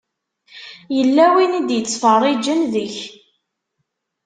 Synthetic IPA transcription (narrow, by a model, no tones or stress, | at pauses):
jəlːæwinid̪jət͡sːfərˤid͡ʒənðəç